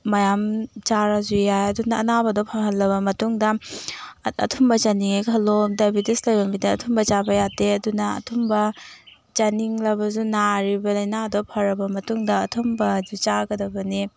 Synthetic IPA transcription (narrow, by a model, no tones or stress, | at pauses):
mɐjamt͡ʃaɾazujajɐdunɐːnabɐdɔpʰɐɦɐlːɐbɐmɐtuŋdɐ | ɐ̰tʰumbɐt͡ʃaniŋekʰɐlːodabideslojbɐmidɐːtʰumbɐt͡ʃabɐjateɐdunɐ̰ːtʰumbɐ | t͡ʃaniŋlɐbɐzunaɾibɐlɐjnadɔpʰɐɾɐbɐmɐtuŋdɐːtʰumbɐzut͡ʃaɡɐdɐbɐni